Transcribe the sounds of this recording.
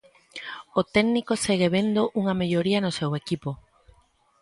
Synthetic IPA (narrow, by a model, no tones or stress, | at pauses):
ot̪ɛɣnikoseɣeβ̞end̪oʔuŋɐmeʎoɾiɐnosewekipo